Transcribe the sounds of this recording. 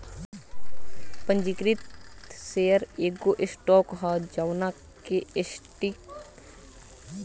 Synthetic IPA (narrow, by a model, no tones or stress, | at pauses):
pə̃ɲd͡ʒikɾit̪seːəɾeːɡoːʔɪsʈɔːkɦad͡ʒawna | keɪsʈik